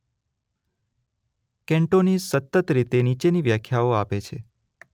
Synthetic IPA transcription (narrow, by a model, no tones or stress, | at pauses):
kɛ̃ɳʈonisət̪ːət̪ɾit̪enit͡ʃeniʋjakʰːjaoapet͡ʃʰḛ